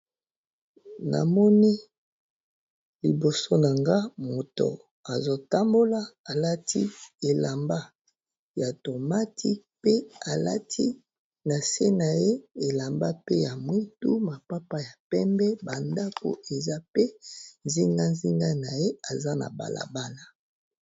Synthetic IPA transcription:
na̰˨mɔ˦ni˦ | li˨bo˨so˦na˨ŋɡa˦mo˨to̰˨ | a˨zo˦ta˦mbo˦la˦a˨la˦tʰi˦e˨la˨mba˦ | ja˨to˨ma˦tʰi˦pe˦a˨la̰˦tʰi˦ | na˨se˦na˨je˦e˨la˨mba˦pe˦ja˨mwi˦tṵ˦ma˨pa˦pa˦ja˨pɛ˦mbɛ˦ba˨nda˦ko̰˨e˨za˦pe˦nzi˦ŋɡa˦nzi˦ŋɡa˦na˨je˦a˨za˦na̰˨ba̰˨lʔa̰˨ba˦na˦

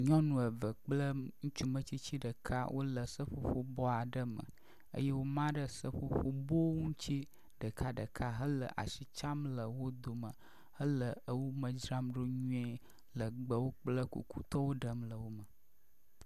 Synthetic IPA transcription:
ɲɔ̃˦nũ˨ə˨və˨k͡plə˦ŋũ˦t͡ʃu˦mə̃˦˨t͡ɕi˦t͡ɕi˦ɖə˨kʰa˦wʔo̰˦lə˨sə˦ɸo˦˨ɸo˦bɔ˦a˨ɖə˦mə̰˨ | ə̰˦jɛ˦wo˦mã˦ɖə˦sə˦ɸo˦ɸo˦bo˦ŋũ˦t͡ɕi˦ | ɖə˨kʰa˦ɖə̰˨kʰa˦ɦə˦lə˨ʔa̰˨si˨t͡ʃa˦mlə˨wo˦d̪o˨mə̃˨ | hə˦lə˨ə˦wo˦mə̃˨d͡ʒɾa˦mɖo˦ɲũ˦ɛ˦ | lə˨ɡ͡bə˦wo˦k͡plə˦kṵ˨ku˦t̪ɔ˦wo˦ɖə˨mlə˨wo˦mə˨

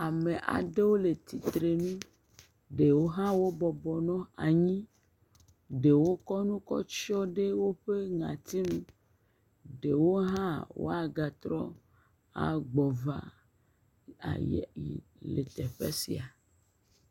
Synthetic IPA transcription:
a˨me˨ʔa̰˨ɖe˦wo˦le˨t̪i˨t̪ɾe˨nũ˦ | ɖe˨wo˦ɦã˦wo˦bɔ˨bɔ˨nɔ̃˦a˨ɲĩ˦ | ɖe˨wo˦kɔ˦nũ˦kɔ̰˦t͡ʃɔ˦ɖe˦wo˦ɸe˦ŋã̰˨t̪i˦nũ˦ | ɖe˨wo˦ɦã˦wo̰˦a˨ɡa˨t̪ɾɔ̰˦ | a̰˨ɡ͡bɔ˨va̰˨ | a̰˨jḛ˨jḭ˨lḛ˨t̪ɛ˨ɸḛ˦sḭ˨a˨

